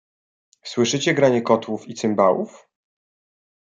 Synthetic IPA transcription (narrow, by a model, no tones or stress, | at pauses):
swɘʂɘt͡ɕɛɡɾaɲɛkɔt̪wufit̪sɘmbawuf